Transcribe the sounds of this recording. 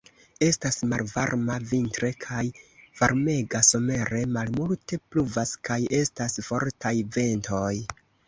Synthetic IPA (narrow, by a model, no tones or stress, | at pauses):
e̞stasmalva̰ɾmavintɾe̞kʰajv̥aɾme̞ɡaso̞me̞ɾe̞malmulte̞pluvaskaje̞stasfo̞ɾtajve̞nto̞j